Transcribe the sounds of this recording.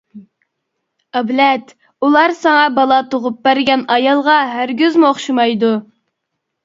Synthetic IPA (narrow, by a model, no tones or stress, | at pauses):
ɑblɛt̪ | ulˠɑɾsɑŋɑbɑlˠɑt̪ʰoʁʊp̚bæɾɡʲɛnɑjɑlˠʁɑɦæɾɡʲyzmuoχʃimɑjd̪u